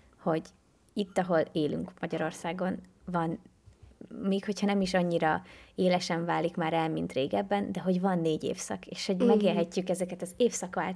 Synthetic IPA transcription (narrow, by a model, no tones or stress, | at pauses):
ho̞ɟ | it̪ːɒɦo̞leːly̰ŋkmɒɟɒɾo̞rsaːɡo̞nvɒn | meːkho̞chɒnɛmiʃɒɲːiɾɒeːlɛʃɛɱvaːlikmaːɾɛlmint̪reːɡɛbːɛnd̪ɛɦo̞ɟvɒnːeːɟḛːfsɒ̰keːʃho̞ɟmɛɡeːlɦɛcːykɛzɛkɛt̪ɒzeːfsɒkaː